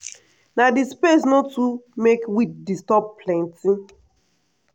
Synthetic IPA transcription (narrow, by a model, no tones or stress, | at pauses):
nadispesnotumekwit̚distɔp̚plɛ̃ntĩ